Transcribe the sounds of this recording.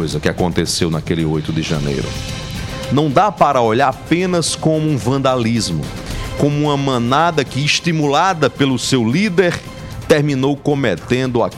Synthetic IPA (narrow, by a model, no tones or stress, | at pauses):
jzɐkɪakõnt̪esewnakelɪojt̪ʊd̪ɪʒɐ̰̃nḛjɾʊ̰ | nɐ̃w̃d̪apaɾɐoʎaɾpẽnɐskõmʊũvɐ̃nd̪alizmʊ̰ | kõmʊũmɐmɐ̃nad̪ɐkɪːʃt̪imulad̪ɐpelʊsewlid̪eɾ | t̪eɾmĩnowkõmet̪ẽnd̪ʊa̰